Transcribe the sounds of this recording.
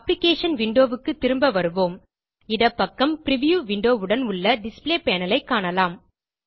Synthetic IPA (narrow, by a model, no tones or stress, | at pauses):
ɐplɪkeːʂɐnʋɪɳɖoːʋɯkːɯt̪ːɪɾɯmbɐʋɐɾɯʋoːm | ɪðɐpːɐkːɐmpɪɾɪʋjuːʋɪɳɖoːʋɯɽɐnʊɭːɐɖɪspleːpeːnɐlɐɪkːaːɳɐlaːm